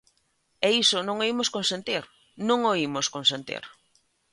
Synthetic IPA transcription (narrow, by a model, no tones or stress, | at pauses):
eisonõŋoimoskonsẽnt̪iɾ | nõŋoimoskonsẽnt̪ḭɾ